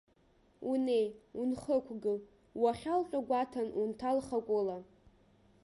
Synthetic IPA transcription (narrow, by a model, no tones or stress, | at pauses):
unejunχəkʷʰɡɨl | waχʲalqʲʷʼaɡʷatʰanuntʰalχakʷʼola